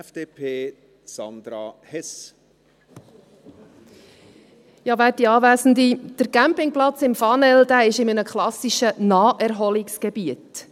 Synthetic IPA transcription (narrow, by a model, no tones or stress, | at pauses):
fd̥eːpʰeː | sɑnd̪̥ɾɑhɛs | jɑːvæːt̚diɑːʋæːsən̩d̪id̥əɾkæmpɪŋplɑt͡sɪmfɑnɛld̥̪æːɪʃɪmənəkχlɑsiʃənɑːɛɾɦɔlɪksɡ̥ɛbiət